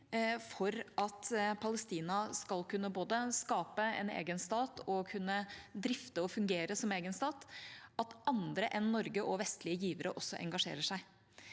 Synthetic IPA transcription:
fɔɾʔɑt̪pʰɑləst̪iːnɑskɑlkʉnːəboːd̪əskɑːpəɛ̰nḛːɡənst̪ɑːt̪ʰɔkʰʉnːəd̪ɾɪft̪əɔfʉŋɡeːɾəsɔmeːɡənst̪ɑːt̪ɑt̪ʔɑnd̪ɾəʔɛnːɔɾɡəʔɔʋɛst̪lɪəjiːʋəɾəʔɔsːɔʔɛ̰ŋɡɑʂḛːɾəʂæɪ

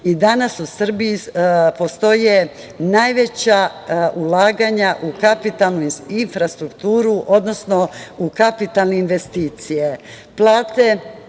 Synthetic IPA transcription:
id̪anasusr̩bijipo̞st̪o̞je̞ | najʋet͡ɕaulaːɡaɲaʔukapit̪alˠnuinfɾast̪ɾukt̪uːɾuʔo̞d̪no̞sno̞ukapit̪alˠne̞inʋe̞st̪iːt̪sije | plˠaːt̪e̞

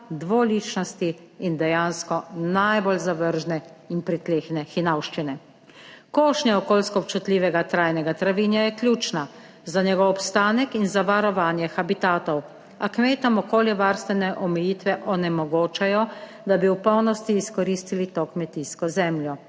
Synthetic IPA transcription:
d̪ʋoliːt͡ʃnɔst̪iː | nd̪ɛjaːnskɔnajbolzaʋəɾʒnɛinpɾit̪leːxnɛxinawʃt͡ʃinɛ | koːʃnjaɔkoːlskɔp̚t͡ʃut̪liːʋɛɡat̪ɾaːjnɛɡat̪ɾaʋiːnjajɛkljuːt͡ʃna | zaɲɛɡɔwɔpst̪aːnɛkinzaʋaɾɔʋaːnjɛxabit̪aːt̪ɔw | akmeːt̪ɔmɔkoːljɛʋaːɾst̪ʋɛnɛʔɔmɛjiːt̪ʋɛʔɔnɛmɔɡoːt͡ʃajɔ | d̪abiwpɔwnɔst̪iːskɔɾiːst̪ilit̪okmɛt̪iːskɔzɛmljɔ

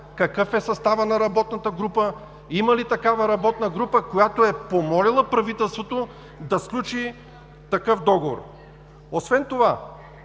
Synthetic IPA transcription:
kɐkɤfɛsɐst̪avənɐɾɐbɔt̪nɐt̪əɡɾupə | imɐlit̪ɐkavɐɾɐbɔt̪nəɡɾupəkojat̪oɛpomɔlilˠəpɾɐvit̪ɛlˠst̪vot̪o | d̪ɐsklʲut͡ʃi | t̪ɐkɤfd̪ɔɡovo̰ɾ | osvɛnt̪ova

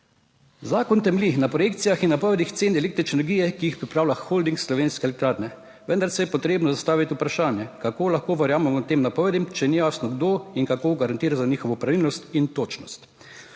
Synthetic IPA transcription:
zaːkɔnt̪ɛmlixnapɾɔjekt̪sijaxinːapɔʋɛd̪ixt̪seːnɛlekt̪ɾit͡ʃɛnɛɾɡiːjɛkiixpɾipɾaːwlʲjaxxold̪iŋksːlɔʋeːnskɛːlɛkt̪ɾaːɾnɛ | ʋənd̪aɾsɛjɛpɔt̪ɾeːbnɔzast̪aːʋit̪ʲiupɾaʃaːnjɛkakoːlaxkoːʋɛɾjaːmɛmɔt̪eːmnapɔʋɛd̪imt͡ʃɛnijaːst̪nɔɡd̪oːiŋkakoːɡaɾant̪iːɾazaniːxɔʋɔpɾaʋiːlnɔst̪int̪oːt͡ʃnɔst̪

